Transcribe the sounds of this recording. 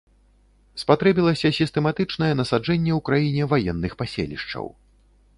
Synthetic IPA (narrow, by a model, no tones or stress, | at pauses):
spat̪ɾɛbʲilˠɐsʲɐsʲist̪ɛmat̪ɨt͡ʂn̪ɐjɛnɐsad͡ʐɛnʲːɛwkɾajinʲɛvajɛnːɨxpasʲḛlʲḭʂt͡ʂɐ̰w